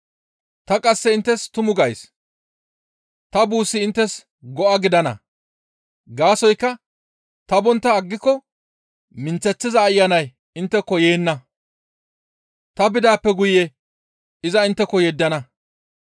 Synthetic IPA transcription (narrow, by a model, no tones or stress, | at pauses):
t̪ɐkʼɐsːɛɪnt̪ːɛst̪ʊmʊɡɐjs | t̪ɐbuːsːɪɪnt̪ːɛs | ɡɔʔɐɡɪd̪ɐnɐ̰ | ɡaːsɔjkːɐ | t̪ɐbɔnt̪ːɐːɡːɪkːɔ | mɪnt͡sːɛt͡sːɪzɐːjːɐnɐj | ɪnt̪ːɛkːɔjeːnːɐ | t̪ɐbɪd̪aːpːɛɡʊjɛ | ɪzɐɪnt̪ːɛkːɔjɛd̪ːɐnɐ